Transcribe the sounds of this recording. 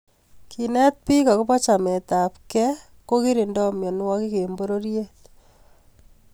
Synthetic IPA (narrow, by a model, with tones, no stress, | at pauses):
ki˨nɛ˦t̪̚pi˦ka˨ku˦pɔ˦t͡ʃa˨me˨ta˨pkɛ˦ | ko˦ki˦ɾi˨ndɔ˦mjɔ˨nwɔki˦ke˨mboɾo˦ɾje